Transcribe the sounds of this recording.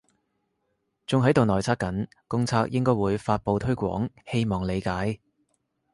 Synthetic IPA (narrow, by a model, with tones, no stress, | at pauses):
t͡sʊ˨ŋɦɐ˨˥jt̪o˨wnɔː˨˩jt͡sʰaː˧k̚kɐ˨˥n | kʊ˥ŋt͡sʰaː˧k̚jɪ˥ŋkɔː˥jwuː˨˧jfaː˧t̚po˨wt̪ʰɵ˥ɥkʷɔ̰ː˨˥ŋhe˥jmɔː˨˩ŋle˨˧jkaː˨˥j